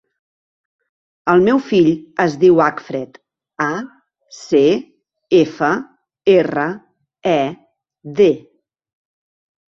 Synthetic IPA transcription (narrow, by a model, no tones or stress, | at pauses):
əlˠmewfiʎəzðiwakfɾɛt̪ | a | se | efə | erə | ɛ | ðe